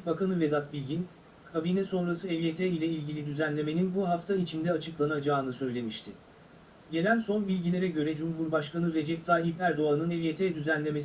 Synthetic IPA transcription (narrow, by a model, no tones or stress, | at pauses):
bakʰanɯvɛd̪at̪bilʲɟin | kʰabiːnɛso̞nɾasɯɛlʲjet̪ʰɛilʲɛilʲɟilʲid̪yzænlʲe̞me̞ninbuɦaft̪ʰait͡ʃʰind̪ɛat͡ʃʰɯklˠanad͡ʒaːnɯsø̞jlʲe̞miʃt̪ʰɪ | ɟe̞lʲænso̞nbilʲɟilʲe̞ɾɛɟø̞ɾɛd͡ʒumɦuɾbaʃkanɯɾe̞d͡ʒɛp̚t̪ʰaipæɾd̪o̞anɯnɛlʲjet̪ʰɛːd̪yzænlʲe̞mes